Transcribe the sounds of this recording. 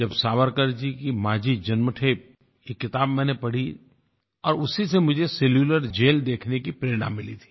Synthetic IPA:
d͡ʒɐbsaːʋəɾkəɾd͡ʒikimaːd͡ʒid͡ʒɐnməʈʰeːp̚ | jekːɪt̪aːbmɛ̃ːnepɐɽ̤i | ɔːɾʊsisemʊd͡ʒʱeseːljuːləɾd͡ʒeːld̪eːkʰnekipɾeːɾɽ̃ã̰ːmːɪlit̪ʰi̥ː

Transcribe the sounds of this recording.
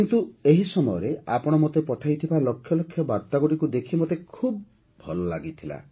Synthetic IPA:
kint̪ueɦisɔmɔjɔɾeapɔɽ̃ɔmot̪epɔʈʰajt̪ʰibalɔkʰːjɔlɔkʰːjɔbaɾt̪aɡuɽikud̪ekʰimot̪ekʰub̚ | bʱɔlɔla̰ɡit̪ʰila̰

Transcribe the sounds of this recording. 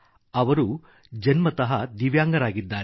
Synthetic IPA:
ɐʋɐɾu | d͡ʒɐnmɐt̪ɐɦɐd̪iʋjaːŋɡɐɾaːɡid̪ːaːɾ

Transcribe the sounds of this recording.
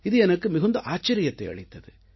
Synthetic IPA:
ɪðɯɛnɐkːɯmɪɣɐnd̪ɐʔaːt͡ʃːɐɾɪjɐt̪ːɐɪɐ̰ɻɪt̪ːɐðɯ

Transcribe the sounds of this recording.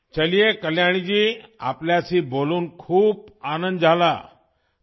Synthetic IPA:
t͡ɕəlijekəljaɽ̃id͡ʑiːa̰pljasiːboluːnkʰuːp̚anənd̪d͡zʱala̰

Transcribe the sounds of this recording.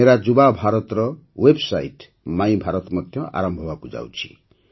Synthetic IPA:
eɾad͡ʒubabʱaɾɔt̪ɾɔ | websajʈ | mãĩbʱaɾɔt̪ɔmɔd̪ʱjɔʔa̰ɾɔmbʱɔbakud͡ʒa̰wt͡ʃʰi̥̰

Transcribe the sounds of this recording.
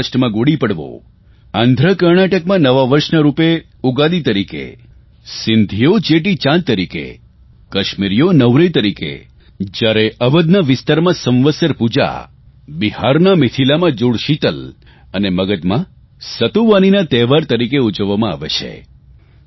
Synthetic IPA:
sʈmãɡoɽipəɽʋo̰ | ãnd̪ʱɾəkəɾɳaʈəkmãnəʋaʋəɾʃnəɾupe | uɡad̪it̪əɾikḛ | sɪnd̪ʱijot͡ʃeʈ̬it͡ʃãnt̪ːəɾikḛ | kəʃmiɾijonəʋɾəjt̪əɾikḛ | d͡ʒjaɾeʔəʋəd̪naʋɪst̪aɾmãsə̃mʋəsjəɾpud͡ʒa̰ | bihaɾnamɪt̪ʰilamãd͡ʒoɽʃit̪əl | əneməɡəd̪mã | sət̪uʋaninat̪ɛʋaɾt̪əɾikeud͡ʒəʋːamãa̰ʋet͡ʃʰḛ

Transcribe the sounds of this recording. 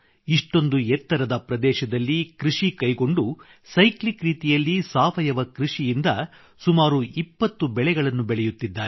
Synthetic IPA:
iʂʈo̞nd̪uɛt̪ːɐɾɐd̪ɐpɾɐd̪ɛːʃɐd̪ɐlːikɾiʂikɐjɡo̞ɳɖu | sɐjklikɾiːt̪ijɐlːisaːʋɐjɐʋɐkɾiʂijind̪ɐ | sumaːɾuipːɐt̪ːubɛɭɛɡɐɭɐnːubɛɭɛjut̪ːid̪ːaːɾe

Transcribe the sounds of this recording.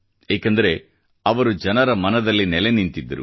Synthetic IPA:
eːkɐnd̪ɐɾe̞ | ɐʋɐɾud͡ʒɐnɐɾɐmɐnɐd̪ɐlːinɛlenint̪id̪ːɐɾṵ

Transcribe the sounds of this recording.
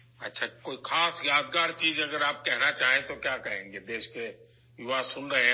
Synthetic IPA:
ɐtːʃʰakoːixʰaːsjaːd̪̚ɡaːɾt͡ʃiːzɐɡəɾaːp̚kɛɦnat͡ʃaːɦẽt̪okjaːkɐɦẽːŋɡed̪eːʃke | ɪʋaːsʊnɾɐɦe

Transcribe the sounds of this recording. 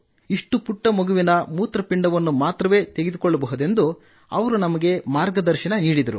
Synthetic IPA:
iʂʈupuʈːɐmoɡuʋinɐmuːt̪ɾɐpiɳɖɐʋɐnːumaːt̪ɾɐʋe̞ːt̪e̞ɡed̪ukɔɭːɐbɐɦud̪e̞nd̪u | ɐʋɐɾunɐmɐɡe̞maːɾɡɐd̪ɐɾʃɐnɐniːɽid̪ɐɾu

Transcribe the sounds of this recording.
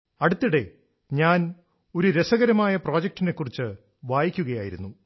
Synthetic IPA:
ɐɽut̪ːiɽe̞ | ɲaːn | o̞ɾuɾe̞sɐɣɐɾɐmaːjɐpro̞ːd͡ʑɐk̚ʈːine̞kːurit͡ɕːɨ | ʋaːjikʲːuɣɐjaːjiɾunːu

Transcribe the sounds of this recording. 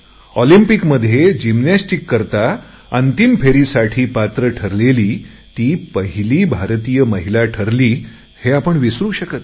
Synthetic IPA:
ɔlimpikməd̪ʱːjed͡ʑimnasʈikːəɾt̪a | ənt̪impʰeɾisaʈʰiːpat̪ɾəʈʰəɾleliː | t̪iːpəɦiliːbʱaɾt̪ijəməɦilaʈʰəɾliː | heapəɳʋisɾuːɕəkət̪

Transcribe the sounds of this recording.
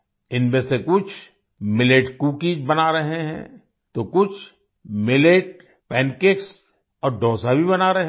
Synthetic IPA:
ɪnmẽsekʊt͡ʃʰ | mɪleːʈkuːkid͡ʒbɐnaɾɐɦeɦɛ̰̃ | t̪okʊt͡ʃʰ | mɪleːʈ | pɛ̃ːnkeks | ɔːɾɖɔːsabʱibɐnaɾɐɦ

